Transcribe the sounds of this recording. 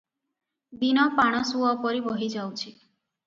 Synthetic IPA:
binɔpaɽ̃ɔsuɔpɔɾibɔɦid͡ʒawt͡ʃʰi

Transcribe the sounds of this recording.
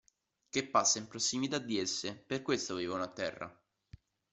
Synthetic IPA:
k̟epːasːaimpɾosːimit̪ad̪ːiesːeperkwest̪oaviːvaunat̪ɛ̰rːa̰

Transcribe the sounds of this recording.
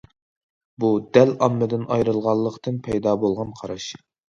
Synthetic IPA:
bud̪ɛlɑmːɨd̪ɪnʔɑjɾɨlˠʁɑlˠːəqt̪ɨnpʰɛjd̪ɑːbolˠʁɑnqʰɑɾɑʃ

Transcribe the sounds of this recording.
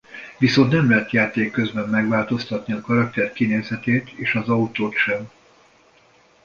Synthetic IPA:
viso̞nt̪nɛmlɛɦɛt̪jaːt̪eːkːøzbɛmːɛɡʋaːlt̪o̞st̪ɒt̪niɒkɒɾɒk̚t̪ɛrkineːzɛt̪eːt̪eːʃɒzɒut̪oːt̪ʃɛm

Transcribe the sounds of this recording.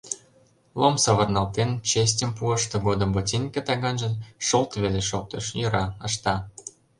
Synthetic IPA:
lˠomsɑβərnɑlt̪ent͡ɕes̬ʲtʲəmpuəʃt̪ɤ̆ɣod̪ə̆mbotʲinʲkĕt̪ɑɣɑnʒə̆nʃolˠt̪βeleʃok̚t̪əʃjəɾɑə̆ʃt̪ɑ

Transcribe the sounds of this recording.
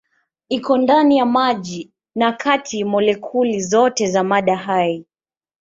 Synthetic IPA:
ikɔndanijamaʄi | nakʰatʰimɔlɛkʰulizɔtɛzamaɗaɦai

